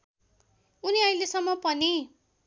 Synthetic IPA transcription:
uniajlesʌmːʌpʌni

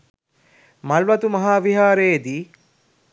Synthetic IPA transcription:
mɐlʋɐt̪umɐɦaːʋiɦaːɾeːd̪iː

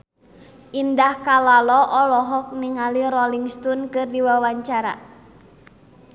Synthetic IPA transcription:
ʔindahkalalɔʔɔlɔɦɔk̚niŋaliɾɔliŋst̪unkɨrdiwawaɲt͡ʃaɾa̰

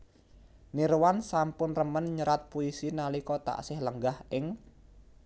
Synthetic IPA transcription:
niɾwansampʊnrəmənɲəɾat̪̚puisinalikɔt̪a̰ʔsɪhləŋɡahʔɪŋ

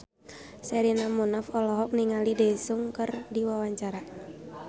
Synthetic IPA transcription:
sɛɾinamunafɔlɔɦɔk̚niŋalidɛsuŋkərdiwawaɲt͡ʃaɾa

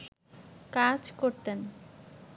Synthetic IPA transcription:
kad͡ʑkoɾt̪en

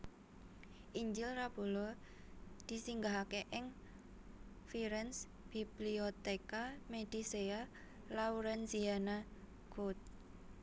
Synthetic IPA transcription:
ʔiɲd͡ʒɪlrab̥ulɔ | d̪̥i̤siŋɡaɦakeʔɪŋ | fiɾɛns | b̥ibliot̪ekamed̪̥isea | lauɾɛnsiana | ɡ̥ot̪̚

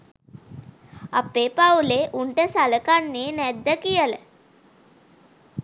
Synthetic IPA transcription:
apeːpawleʔuɳʈəsaləkanːeːnæd̪ːəkijələ

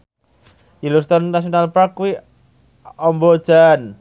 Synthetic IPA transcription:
jilust̪ɔnːas̬ionalpɾakwi | ɔmbɔd̥d͡ʒ̥an

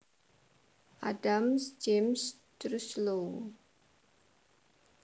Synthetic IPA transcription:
ʔadamsd͡ʒems | tɾuslo

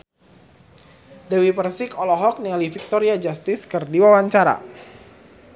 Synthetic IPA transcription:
dɛwipərsɪkɔlɔɦɔk̚nialifik̚t̪ɔɾiad͡ʒast̪ɪskɨrdiwawaɲt͡ʃaɾa̰

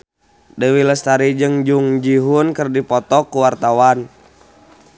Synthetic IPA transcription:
dəwiləst̪aɾid͡ʒɨŋd͡ʒuŋd͡ʒiɦunkərdipɔt̪ɔkːuwart̪awan

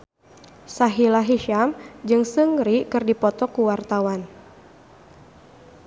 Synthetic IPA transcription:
saɦilaɦiʃamd͡ʒɨŋsɨŋɾikɨrdipɔt̪ɔkuwart̪awan

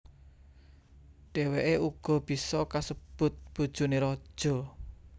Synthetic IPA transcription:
ɖ̥e̤weʔeuɡ̥ɔ̤b̥i̤sɔkasəb̥ʊt̪̚b̥ṳd̥ʒ̥ṳneɾɔ̥ʒ̥ɔ̤

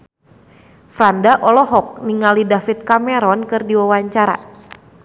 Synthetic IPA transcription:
fɾandaʔɔlɔɦɔk̚niŋalidafit̪̚kamɛɾɔnkɨrdiwawaɲt͡ʃaɾa̰

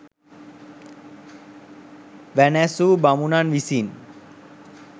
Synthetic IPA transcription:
ʋɛnɛsubamunanʋisin

